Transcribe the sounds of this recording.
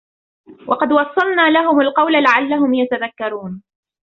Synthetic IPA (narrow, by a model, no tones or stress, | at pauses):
wʔɑqɑd̪wɑsˤːɑlnaːlaɦʊmalqɑwlalaʕalːaɦʊmjat̪aðakːɑɾˤuːn